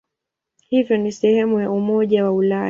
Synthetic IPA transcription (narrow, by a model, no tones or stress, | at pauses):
hivjɔnisɛhɛmujaumɔʄawaula